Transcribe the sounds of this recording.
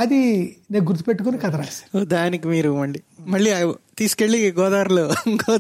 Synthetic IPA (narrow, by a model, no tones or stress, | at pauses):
ɐd̪ineːnɡuɾt̪i̥pe̞ʈːukonikɐd̪ɐɾaːlsḁɾod̪aːnik̬imiːɾumɐɳɖimɐɭːit̪iːsu̥keɭːiɡɔːd̪aːɾɐloɡɔː